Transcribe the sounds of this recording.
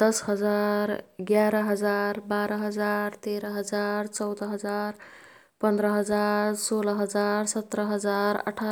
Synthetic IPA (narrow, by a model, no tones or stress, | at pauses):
d̪̥əsɦəd͡zaɾɡjaɾəɦəd͡zaɾbaɾəɦəd͡zaɾt̪eɾəɦəd͡zaɾt͡səwd̪əɦəd͡zaɾ | pənd̪ɾəɦəd͡zaɾsoləɦəd͡zaɾsət̪ɾəɦəd͡zaɾə̰ʈʰa